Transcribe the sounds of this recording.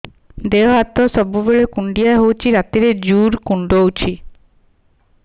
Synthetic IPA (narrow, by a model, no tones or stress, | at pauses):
d̪eɔɦat̪ɔsɔbubeɭekuɳɖijaeɦowt͡ʃʰiɾat̪iɾed͡ʒuɾkuɳɖowt͡ʃʰi